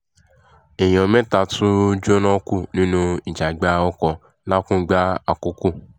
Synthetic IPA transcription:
e˨j̃ɔ̃˨mɛ̃˦ta˧tʰũ˦d͡ʒo˦nɔ̃˦ku˦˨nĩ˦nũ˦i˨d͡ʒa˨ɡ͡ba˨˦ɔ˦kɔ˧ | la˦kũ˦ɡ͡ba˦a˨ku˦ku˦˨

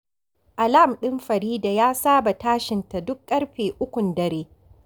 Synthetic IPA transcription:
ʔa˨la˦˨mɗɪ˦mɸɐ˨ɾiː˦da˨jaː˦saː˦ba˨taː˦ʃɪ˨nta˨dʊ˦kkʼːɐ˦ɽɸeː˨ʔʊ˦kʷʊ˨ndɐ˨ɾeː˦

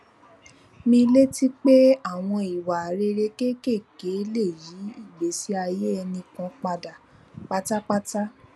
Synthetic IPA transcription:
mĩ˧le˦ti˦k͡pe˦a˦˨w̃ɔ̃˧i˨wa˨ɾe˧ɾe˧ke˦ke˦˨ke˨˦le˦˨ji˨˦i˦˨ɡ͡be˨˦si˨˦a˧je˦ɛ˧nĩ˧kã˨˧k͡pa˧da˨ | k͡pa˦ta˦k͡pa˦ta˦

